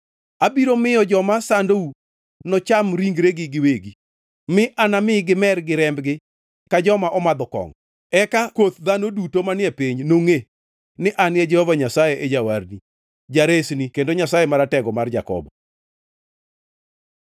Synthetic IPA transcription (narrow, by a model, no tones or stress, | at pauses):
abiɾomɪjɔd͡ʒɔmasandou | nɔt͡ʃamɾiŋɡɾeɡɪɡɪweɡi | mɪʔanamɪɡɪmɛrɡɪɾɛmbɡɪ | kad͡ʒɔmaʔɔmad̪ɔkɔ̰ŋ | ɛkakwot̪d̪anodutomanɪɛpiɲnoŋe | nɪʔanɛd͡ʒɛhɔvaɲasajeʔed͡ʒawaɾni | d͡ʒaɾesnikendoɲasajemaɾatɛɡɔmard͡ʒa̰kɔ̰bɔ